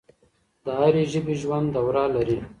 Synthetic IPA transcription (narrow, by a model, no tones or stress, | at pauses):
d̪̥əɦaɾeʒəbiʒwand̪d̪awɾalaɾi